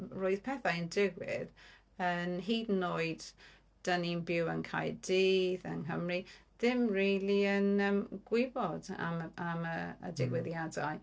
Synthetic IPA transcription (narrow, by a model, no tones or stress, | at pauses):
roɨð̥pʰɛθaəndɪɡwɪ̰ð | ənɦiːdnoɨd̥ | d̥əninbɪwənkʰa̰jdiːðənɦəmriðɪmriːliənəmɡ̥wɪbɔda̰mamə̰ːdɪɡwɪðjadaj